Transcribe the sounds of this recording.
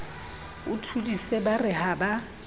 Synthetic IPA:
ʊtʰudisebarɪɦaba

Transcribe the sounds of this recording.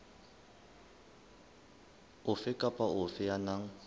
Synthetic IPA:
ʊfɪkʼapʼaʊfɪjanaŋ̩

